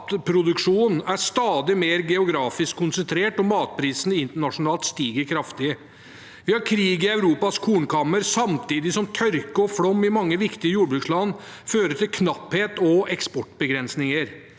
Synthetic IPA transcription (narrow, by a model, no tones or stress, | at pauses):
t̪pʰɾʊd̪ʉkʂuːn̩æʂt̪ɑːd̪ɪmeːɾɡɛʊɡɾɑːfɪskʰːʊnsɛnt̪ʰɾeːʈɔmɑːt̪̚pʰɾiːsn̩ɪnt̪əɳɑʂʊnɑːlt̪st̪iːɡəɾkʰɾɑft̪ɪə | ʋɪhɑɾkʰɾiːɡɪæʉɾuːpɑskʰuːnkʰɑmːəɾsɑmt̪ʰiːd̪ɪsɔmt̪ʰœɾkəɔfɽɔmːɪmɑŋːəʋɪkt̪ɪəjuːɖbɾʉkslɑnføːɾəʈʰɪlkʰnɑpheːt̪ɔɛkspɔʈbəɡɾɛnsnɪŋəɾ